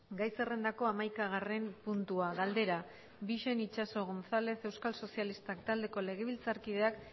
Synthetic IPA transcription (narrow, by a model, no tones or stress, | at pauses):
ɡajse̞re̞nd̪ako̞amajkaɣ̞are̞mpunt̪uaɣald̪e̞ɾa | biʃe̞nit͡ʃaso̞ɣo̞nθale̞θe̞wskalso̞sialist̪akt̪ald̪e̞ko̞le̞ɣ̞e̞β̞ilt͡saɾkiðe̞ak